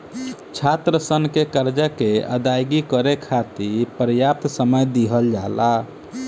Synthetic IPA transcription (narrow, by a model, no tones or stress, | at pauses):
t͡ʃʰat̪ɾəsənkekəɾd͡ʒəkeə̰d̪ajɡikəɾekʰat̪iɾpəɾjap̚t̪səməjd̪iɦəld͡ʒala